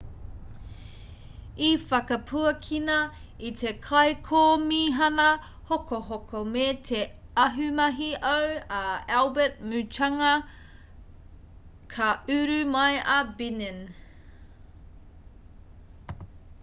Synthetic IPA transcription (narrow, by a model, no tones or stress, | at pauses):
ifɐkɐpʰuɐkʰinɐ | itʰekʰɐjkʰoːmiːɦɐnɐ | hokoɦokʰomeːtʰe | ɐɦʉmɐɦiawaɛlbɛt̚mʉtʰɐŋɐ | kʰɐʉɾʉmɐjɐbinen